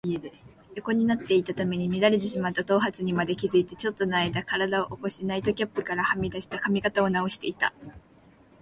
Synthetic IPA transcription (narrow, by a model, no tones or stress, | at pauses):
ie | jo̞ko̞ɲ̟inat̪ːe̞it̪at̪ame̞ɲ̟imʲid̪aɾe̞t̪̬e̞ɕimat̪ːat̪o̞ːɦat͡sɨɲ̟imad̪e̞kʲizɨit̪e̞t͡ɕo̞t̪ːo̞naid̪akaɾad̪ao̞ʔoko̞ɕinait̪o̞kʲapːɯ̟kaɾahamʲid̪aɕi̥t̪akamʲikat̪ao̞nao̞ɕi̥t̪e̞it̪a̰